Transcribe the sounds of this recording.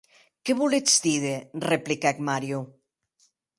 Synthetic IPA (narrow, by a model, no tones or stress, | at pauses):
keβuled͡zd̪iðereplikɛk̚maɾju